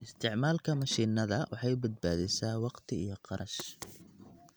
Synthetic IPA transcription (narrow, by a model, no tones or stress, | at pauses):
ʔɪst̪ʰɪʕmaːlkʰɐmɐʃiːnɐðɐwʔɑħɑjbɐd̪̚baːðɛsaːwɑqt̪ʰɪijɔqɑɾʔɐʃ